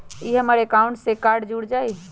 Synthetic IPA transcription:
iɦəmaɾekaʊ̃ɳʈsekaɾɖd͡ʒuɽd͡ʒai

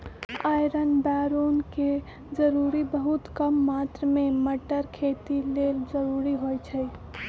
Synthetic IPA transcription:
ajɾənbaɾonke | d͡ʒəɾuɾibəɦut̪kəmːat̪ɾmeməʈəɾkʰet̪ileld͡ʒəɾuɾiɦojt͡ʃʰəj

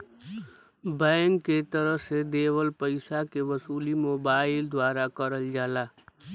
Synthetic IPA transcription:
bə̃ŋkːet̪əɾəɦsed̪ewəlpəɪsakeʋəsuːlimoːbaɪld̪waːɾakəɾəld͡ʒaːla

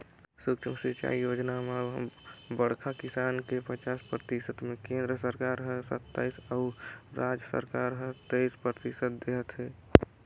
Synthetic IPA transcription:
sukʃimsit͡ʃa̰ijod͡ʒname | bəɽ̤kʰakisankepət͡ʃaspɾət̪isət̪mekẽnd̪ɾəsəɾkaɾɦə̃sə̰t̪ːa̰ːisauɾad͡ʒəsə̰ɾkaɾɦət̪eispɾət̪isəd̪̚d̪eɦət̪ɦɛ

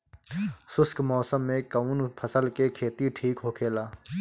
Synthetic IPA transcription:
sʊskmɔːsəmːẽkəuːnpʰəsəlkekʰeːt̪iʈʰiːkɦoːkʰeːlaː

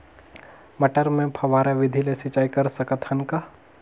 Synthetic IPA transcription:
mɐʈəɾmẽpʰɐʋaːɾaʋɪd̪ʱilesit͡ʃaːikɐɾsɐkət̪ʰənka

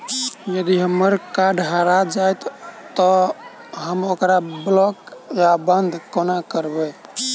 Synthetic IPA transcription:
jəd̪iɦəmːəɾkaɖʱɦaɾad͡ʒajt̪t̪ɔ | ɦəmokɾablɔkjabənd̪ʱkonakəɾbɛ

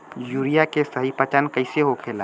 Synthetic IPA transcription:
juːɾijakesəɦipət͡ʃənkəɪseɦokʰeːla

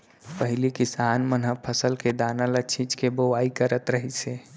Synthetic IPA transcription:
pəɦɪlikɪsaːnmənɦəpʰəsəlked̪analət͡ʃʰĩt͡ʃkebəʋaikəɾət̪ɾəɦise

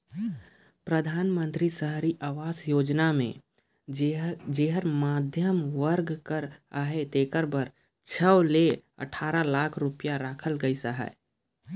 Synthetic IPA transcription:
pɾəd̪ʱaːnmə̃nt̪ɾisəɦɾiʔaːʋaːsjoːd͡ʒnamḛ̃ | d͡ʒeːɦəɾmaːd̪ʱjəmʋəɾɡkəɾaːɦet̪eːkəɾbəɾ | t͡ʃʰəleə̰ʈʰaːɾalaːkʰɾʊpijaɾaːkʰəlɡəisəɦɛ̰

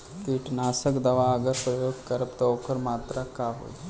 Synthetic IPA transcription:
t̪iʈnaːsəkd̪ɐʋaɐɡəɾpɾɐjoːɡkəɾəpt̪ɐoːkəɾmaːt̪ɾakaɦo̰ːj

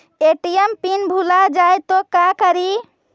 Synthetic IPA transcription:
eʈijɛmpinbʱulad͡ʒajt̪ɔkakəɾi

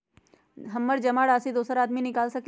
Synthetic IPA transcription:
ɦɐmːəɾd͡ʒɐmaːɽaːsid̪oːsəɾaːd̪minɪkaːlsɐk

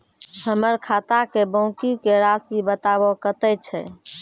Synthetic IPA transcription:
həməɾkʰat̪akebə̃ʊkikeɾasibət̪aβɔkət̪ɛt͡ʃʰɛ̰

